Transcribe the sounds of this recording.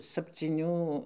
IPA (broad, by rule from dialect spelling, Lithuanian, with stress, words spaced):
sɐpʲt͡sʲiːˈnʲuː